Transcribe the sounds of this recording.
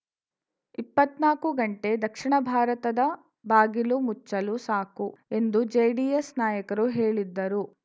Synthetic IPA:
ipːɐt̪naːkuɡɐɳʈe̞d̪ɐkʂiɳɐbʱaːɾɐt̪ɐd̪ɐ | baːɡilumut͡ʃːɐlusaːkue̞nd̪ud͡ʒejɖiesnaːjɐkɐɾuɦeːɭid̪ːɐɾu

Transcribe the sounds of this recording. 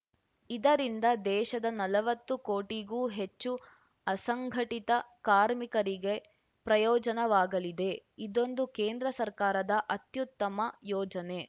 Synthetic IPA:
id̪ɐɾind̪ɐd̪ɛːʃɐd̪ɐnɐlɐʋɐt̪ːukoːʈiɡuːɦe̞t͡ʃːu | ɐsɐŋɡʱɐʈit̪ɐkaːɾmikɐɾiɡe̞ | pɾɐjɔːd͡ʒɐnɐʋaːɡɐlid̪e̞id̪o̞nd̪ukeːnd̪ɾɐsɐɾkaːɾɐd̪ɐʔɐt̪jut̪ːɐmɐjɔːd͡ʒɐne̞

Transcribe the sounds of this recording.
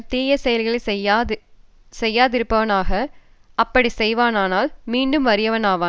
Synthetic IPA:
t̪eːjɐsɛjɐlɣɐɭɐsjː | sɛjːaːðɪɾɯpːɐʋɐnaːɣɐ | ʔɐpːɐɽisɛjʋaːnaːnaːlmiːɳɖɯmʋɐɾɪjɐʋɐnaːʋaː

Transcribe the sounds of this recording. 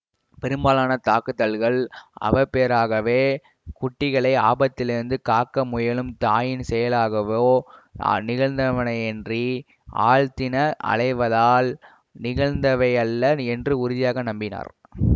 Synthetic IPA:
pɛɾɯmbaːlaːnɐt̪aːkːɯt̪ːɐlɣɐɭɐ̰ʋɐpeːɾaːɣɐʋeː | kʊʈːɪɣɐɭɐɪaːbɐt̪ːɪlɪɾɯnd̪ɯkaːkːɐmʊjɐlɯmt̪aːjɪnsɛjɐlaːɣɐʋo̰ːnɪɣɐɭnd̪ɐʋɐnɐɪɛndri | a̰ːɭt̪ɪnɐʔɐ̰ɭɐɪʋɐðaːl | nɪɣɐɻnd̪ɐʋɐɪɐlːɐɛndrɯʊɾɪðɪjaːɣɐnɐmbɪna̰ːɾ

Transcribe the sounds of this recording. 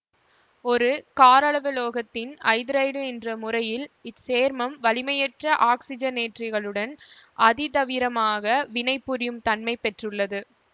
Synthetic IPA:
ɔɾɯkaːɾɐɭɐʋɐloːɣɐt̪ːɪnɐ̰ɪðɪɾɐɪɽɯɛndrɐmʊrɐjɪlɪseːɾmɐmʋɐlɪmɐjɛʈrɐʔaːksɪd͡ʒɐneːʈrɪɣɐɭɯɽɐnʔɐðɪt̪ɐʋɪɾɐmaːɣɐʋɪnɐɪpːɯɾɪjɯmt̪ɐnmɐɪpɛʈrɯɭːɐðɯ

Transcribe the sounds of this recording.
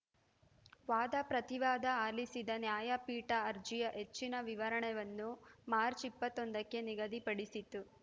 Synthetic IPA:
ʋaːd̪ɐpɾɐt̪iʋaːd̪ɐaːlisid̪ɐnjaːjɐpiːʈɐːɾd͡ʒijɐʔet͡ʃːinɐʋiʋɐɾɐɳɛʋɐnːumaːɾt͡ʃipːɐt̪ːond̪ɐkːe̞niɡɐd̪ipɐɽisit̪ːu

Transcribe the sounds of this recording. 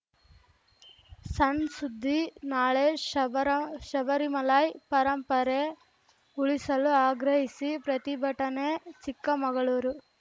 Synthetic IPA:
sɐnsud̪ʱːinaːɭe | ʃɐʋɐɾimɐlaːjpɐɾɐmpɐɾe | uɭisɐluaːɡɾɐɦisipɾɐt̪ibʱɐʈɐnet͡ʃikːɐmɐɡɐɭuːɾu

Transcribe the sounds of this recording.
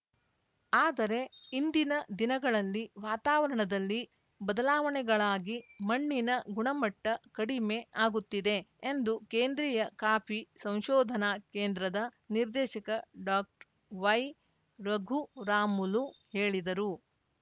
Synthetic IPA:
aːd̪ɐɾe̞ind̪inɐd̪inɐɡɐɭɐlːiʋaːt̪aːʋɐɾɐɳɐd̪ɐlːi | bɐd̪ɐlaːʋɐɳɛɡɐɭaːɡimɐɳːinɐɡuɳɐmɐʈːɐkɐɽime̞aːɡut̪ːid̪e̞ːnd̪ukeːnd̪ɾiːjɐkaːpʰisɐ̃w̃ʃɔːd̪ʱɐnakeːnd̪ɾɐd̪ɐ | niɾd̪ɛːʃɐkɐɖaːk̚ʈ | ʋɐj | ɾɐɡʱuɾaːmuluhe̞ːɭid̪ɐɾu

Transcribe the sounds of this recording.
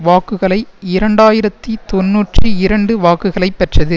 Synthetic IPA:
ʋaːkːɯɣɐɭɐɪɪɾɐɳɖaːjɪɾɐt̪ːit̪ɔnːuːʈriɪɾɐɳɖɯʋaːkːɯɣɐɭɐɪpːɛʈrɐðɯ

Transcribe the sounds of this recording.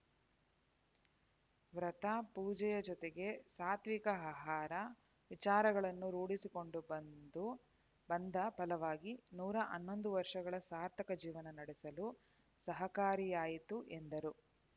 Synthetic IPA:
ʋɾɐt̪ɐpuːd͡ʒɛjɐd͡ʒɔt̪eɡe̞saːt̪ʋikɐaɦaːɾɐ | ʋit͡ʃaːɾɐɡɐɭɐnːuɾuːɽisiko̞ɳɖubɐnd̪u | bɐnd̪ɐpɐlɐʋaːɡinuːɾɐʔɐnːo̞nd̪uʋɐɾʂɐɡɐɭɐsaːɾt̪ʰɐkɐd͡ʒiːʋɐnɐnɐɽesɐlu | sɐɦɐkaːɾijaːjit̪uʔend̪ɐɾu

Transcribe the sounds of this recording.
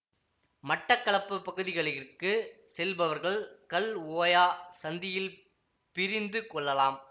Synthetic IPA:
mɐʈːɐkːɐɭɐpːɯpːɐɣɯðɪɣɐɭɪrkɯ | sɛlbɐʋɐɾɣɐɭkɐloːjaːsɐnd̪ɪjɪl | pɪɾɪnd̪ɯkɔɭːɐlaːm

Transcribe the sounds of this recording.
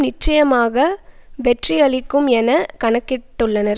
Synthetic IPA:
nɪt͡ʃːɐjɐmaːɣɐʋɛʈriɐɭɪkːɯmɛnɐkɐɳɐkːɪʈːɯɭːɐnɐɾ

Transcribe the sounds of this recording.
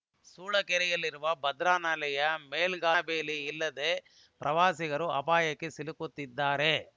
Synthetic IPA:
suːɭɐkɛɾɛjɐlːiɾuʋɐbɐd̪ɾaːnɐlɐjɐmeːlɡaːbeːliilːɐd̪e | pɾʔɐʋaːsiɣɐɾuɐpaːjɐkːesilukut̪ːid̪ːaːɾe̞

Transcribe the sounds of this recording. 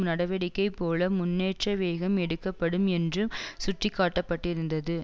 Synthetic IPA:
nɐɽɐʋɛɽɪkːɐɪpːoːlɐmʊnːeːʈrɐʋeːɣɐmɛɽɯkːɐpːɐɽɯmɛndrɯmsʊʈrɪkːaːʈːɐpːɐʈːɪɾɯnd̪ɐðɯ

